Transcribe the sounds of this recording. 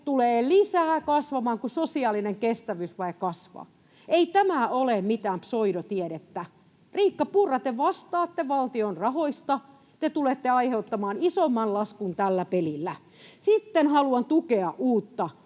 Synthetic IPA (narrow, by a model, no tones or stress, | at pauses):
t̪uleːlisæːkɑsʋɑmɑːŋkusosiɑlineŋkest̪æʋysʋɑikɑsʋɑ̰ | eit̪æmæolemmit̪æːmpsoiɾot̪ieɾet̪ːæ | riːkːɑpurːɑt̪eʋɑst̪ɑːt̪ːeʋɑlt̪ionrɑhoist̪ɑ | t̪et̪ulet̪ːeɑiheut̪ːɑmɑːnisomːɑnlɑskunt̪ælːæpelilːæ | sit̪ːenhɑluɑnt̪ukeɑʔʔuːt̪ːɑ